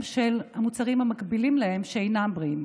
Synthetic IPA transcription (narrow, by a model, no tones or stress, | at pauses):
mʃelhamut͡saʁimhamakbilimlae̞mʃeejnambʁiim